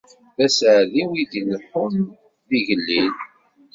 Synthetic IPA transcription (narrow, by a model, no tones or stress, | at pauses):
ðæsʕðiwid̪inəħʊm | ðiʝəlːin